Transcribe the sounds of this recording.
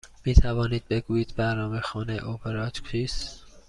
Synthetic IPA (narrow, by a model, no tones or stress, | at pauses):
miːt̪ʰævɒːniːd̪̚be̞ɡuːjiːd̪bæɾnɒːmexɒːnḛʔopʰeɾɒːt̪kʰiːs